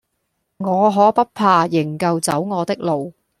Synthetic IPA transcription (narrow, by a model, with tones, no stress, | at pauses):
ŋɔː˨˧ɦɔː˨˥pɐ˥t̚pʰaː˧jɪ˨˩ŋkɐ˧wt͡sɐ˨˥wŋɔː˨˧t̪ɪ˥k̚lo˨w